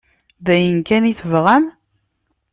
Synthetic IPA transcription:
ðæjənkæniθəvʁæm

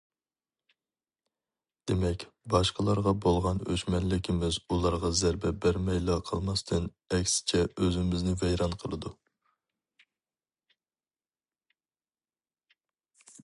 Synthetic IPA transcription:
d̪̥emɛkʲbɑʃqəlˠɑɾʁɑbolˠʁɑnøʃmɛnlɪkʲʰɪmɪzulˠɑɾʁɑzæɾbɛbæɾmɛjlˠɑqʰəlˠmɑst̪ʰɨn | ɛkʲsɪ̥t͡ʃʰɛʔøzɪmɪznɪvɛjɾɑnqʰəlˠɨd̪u

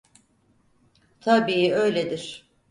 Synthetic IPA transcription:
t̪ʰabiːøjlʲed̪iɾ̥

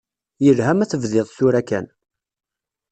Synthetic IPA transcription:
jəlɦæmæθəvðɪðˤsθuɾækæ̰n

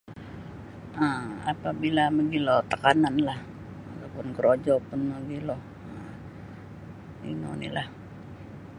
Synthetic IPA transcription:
ʔəa̰pabilaməɡilɔt̪əkananlah | at̪apʊnkəɾod͡ʒɔpʊnməɡilɔ | ə | ḭno̰nḭlah

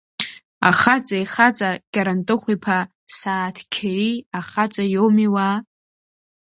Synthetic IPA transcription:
a̰χat͡sʼajχat͡sʼakʲʼaɾantʼɨχʷipʰa | saːtʰkʲʰriaχat͡sʷʼajomiwa

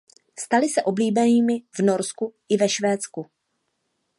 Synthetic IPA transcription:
st̪alɪsɛʔo̞bliːbɛniːmɪvno̞ɾskuʔɪvɛʃvɛːt͡sku

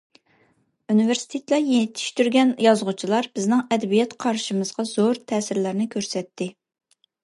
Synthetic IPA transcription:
univeɾsi̥t̪ʰet̪lɛjenɪt̪ʰi̥ʃt̪yɾɡʲɛnjɑzʁʊt͡ʃʰilˠɑɾb̥ɪznɪŋɛd̪ɛbijɛt̪qʰɑɾʃimɨz̥ʁɑzoɾt̪ʰɛːsɪɾlæɾnɪkʲʰøɾsɛt̪ʰːɪ

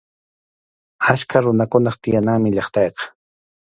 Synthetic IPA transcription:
aʃkʰaɾʊnakʊnɑχt̪ɪjanaːmɪʎɑχt̪ɑjqɑ̥

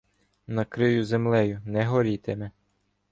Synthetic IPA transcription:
nɐkɾɪjʊzemlˠɛjʊnɛɦɔɾʲit̪emɛ

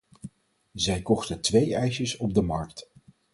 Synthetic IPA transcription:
zɛjkɔχtəntʋejɛjʃəsɔb̚dəmɑɹkt

